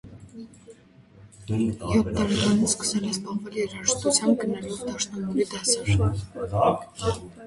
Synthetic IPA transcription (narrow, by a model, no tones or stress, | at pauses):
jɔt̚t̪ɑɾɛkɑnit͡sskə̥sɛlɛzbɑχvɛljɛɾɑɾəʃt̪ut͡sʰjɑm̚ɡənəlɔvd̪ɑʃnɑknɛɾid̪ɛsɛɾ